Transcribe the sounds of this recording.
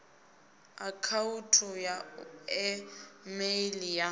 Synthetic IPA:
akʰautʰɔjaɛmeilija

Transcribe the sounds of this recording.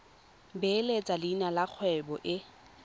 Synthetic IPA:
belet͡sʼalinalaq͡χʰwɛbɔʔɪ

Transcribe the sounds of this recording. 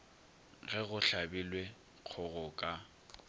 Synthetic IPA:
ɣɛɣʊɬabilwe | q͡χʰɔɣʊkʼa

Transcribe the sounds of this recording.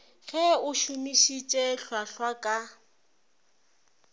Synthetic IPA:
ɣɛʊʃumiʃit͡ʃʼɛɬwaɬwakʼa

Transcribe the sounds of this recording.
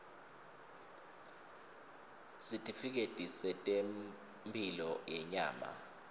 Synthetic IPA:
sitʰʼifik̬etʼisɛtʼem | mbʰʱilɔjɛɲa̰ːma̰

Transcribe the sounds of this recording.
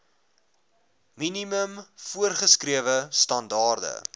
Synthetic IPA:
miniməmfuərχəskriəvəstɐndɑːrdə̰

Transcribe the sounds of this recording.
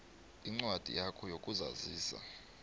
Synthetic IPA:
iŋ͡ǀwad̥ʱḭjakʰɔjokʼuza̰ziːsa̰

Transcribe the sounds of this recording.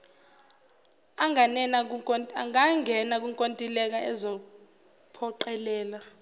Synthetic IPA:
aŋanɛnaaŋaŋɛnak̬uŋkʼontʼilɛk̬aʔɛzɔ | pʰɔǃɛlɛːla

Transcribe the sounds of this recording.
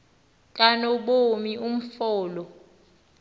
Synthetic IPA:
kʼanɔɓomium̩fɔːlɔ

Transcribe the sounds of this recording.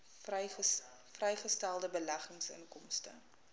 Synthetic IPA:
frɛjχəstælˠdəbəlæχəŋsə̰ŋkɔmstə̰

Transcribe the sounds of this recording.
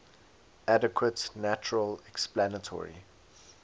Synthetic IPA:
adəkʰwətnæt͡ʃəɹəlɛksplanətʰɔ̰ɹḭ

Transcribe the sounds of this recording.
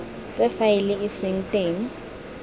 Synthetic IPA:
t͡sʼɛfaɪlɪɪsɪŋ̩tʼeŋ̩

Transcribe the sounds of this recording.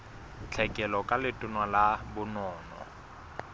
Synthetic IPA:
t͡ɬʰɛkʼɛlɔkʼalɪtʼʊnwalabʊnɔːnɔ̰

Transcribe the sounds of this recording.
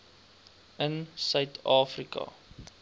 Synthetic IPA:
ənsœɥtʰɑːfrikɐ̰

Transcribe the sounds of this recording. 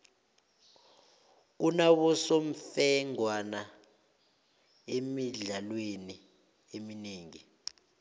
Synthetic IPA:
unaβɔsom̩fɛŋwana | emiɮalweni | emineːŋi

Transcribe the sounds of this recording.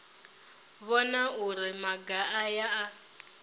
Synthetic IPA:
βɔnauɾimaɡaʔajaa

